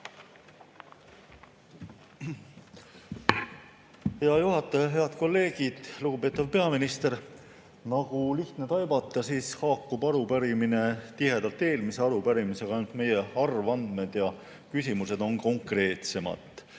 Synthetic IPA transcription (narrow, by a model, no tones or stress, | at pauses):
heɑjuɦɑt̪ːˑɑjɑɦe̞ɑd̪̥ko̞lːe̞ːɡ̥id̪̥luɡ̥upe̞ːt̪ːˑɑvpe̞ɑminist̪e̞ɾ | nɑɡ̥uliht̪ne̞t̪ɑjbɑt̪ˑːɑsiːshɑːkːubɑɾupæɾimine̞t̪iɦe̞d̪̥ɑlt̪ːe̞ːlmise̞ɑɾupæɾimise̞ɡ̥ɑɑnut̪me̞je̞ɑrvɑnd̪̥me̞d̪̥jɑ | kysʲimuse̞d̪̥o̞nko̞ŋkre̞ːt̪se̞mɑ̰d̪̥